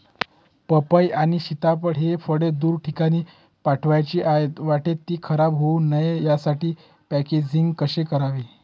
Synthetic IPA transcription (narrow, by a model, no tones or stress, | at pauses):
pəpəjaɽ̃iɕit̪apəɽɦefəɽed̪uːɾʈʰikaɽ̃iː | paʈʰʋajt͡ɕiːʔajt̪ʋaʈet̪ːiːkʰəɾabɦounəjjasaʈiː | pæked͡ʑiŋɡkəɕekəɾaʋi